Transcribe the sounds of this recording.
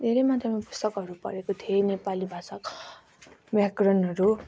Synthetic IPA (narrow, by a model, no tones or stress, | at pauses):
d̪ʱeɾʌjmad̪ʱjamapu̥st̪ʌkʌɾupʌ̰ɾekot̪ʰienepalibʱasak | makrʌnʌɾu